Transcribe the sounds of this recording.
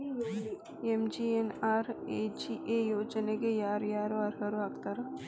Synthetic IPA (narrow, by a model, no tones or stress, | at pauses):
emd͡ʒienaːɾed͡ʒiʔejoːd͡ʒnekejaːɾjaːɾoɐɾɦəɾoɐkt̪ɐɾɐ